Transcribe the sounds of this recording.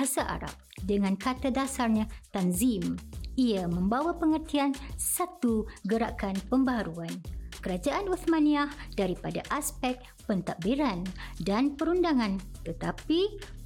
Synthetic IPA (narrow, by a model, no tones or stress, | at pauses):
asaʔa̰ɾa̰p̚dəŋãnkat̪adasarɲãt̪anzimiamə̃mbawapəŋərt̪iansat̪uɡəɾa̰kanpəmbaɦaɾuankəɾad͡ʒaʔanuθmãniahdaɾipada̰ʔaspɛk̚ | pənt̪aʔbiɾandanpəɾundaŋãnt̪ət̪api